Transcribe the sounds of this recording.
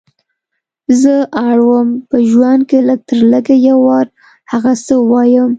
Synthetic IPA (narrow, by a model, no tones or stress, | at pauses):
zəʔaɽwəmpəʒwand̪̚keləɡ̚t̪əɾləɡajawɑɾ | haɣasəwɑjəm